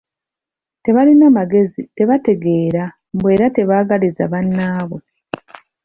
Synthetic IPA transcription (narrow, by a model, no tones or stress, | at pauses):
te̞βalinamaɡe̞zite̞βate̞ɡe̞ːɾa | mbwe̞ːɾate̞βaːɡalizaβanːaːβe